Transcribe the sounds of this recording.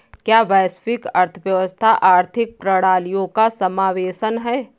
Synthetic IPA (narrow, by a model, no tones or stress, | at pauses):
kjaːʋɛːspɪkɐɾt̪ʰəʋjəʋəst̪ʰaʔaːɾt̪ʰɪk̚pɾəɽaːlijõkasɐmaːʋeːʃənɦɛː